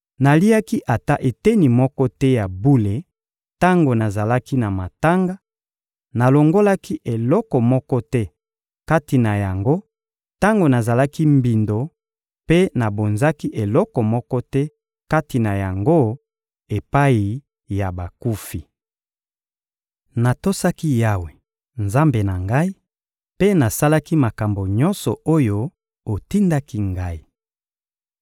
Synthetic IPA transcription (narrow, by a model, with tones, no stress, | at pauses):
na˨li˦a˦ki˦ʔa˨ta˦ʔe˨te˦ni˨mɔ˦kɔ˦tɛ˦ja˨bu˦le˨ | ta˦ŋɡo˨na˨za˨la˦ki˦na˨ma˨ta˦ŋɡa˦ | na˨lo˨ŋɡo˦la˦ki˦ʔe˨lɔ˦kɔ˨mɔ˦kɔ˦tɛ˦ | ka˦ti˨na˨ja˨ŋɡo˦ | ta˦ŋɡo˨na˨za˨la˦ki˦mbi˨ndo˨ | pe˦na˨bo˨nza˦ki˦ʔe˨lɔ˦kɔ˨mɔ˦kɔ˦tɛ˦ | ka˦ti˨na˨ja˨ŋɡo˦ | e˨pa˦i˨ | ja˨ba˨ku˦fi˨ | na˨to˦sa˦ki˦ja˦we˨ | nza˦mbe˨na˨ŋɡa˦i˦ | pe˦na˨sa˦la˦ki˦ma˨ka˨mbo˨ɲɔ˦nsɔ˨o˦jo˦ | o˨ti˦nda˦ki˦ŋɡa˦i˨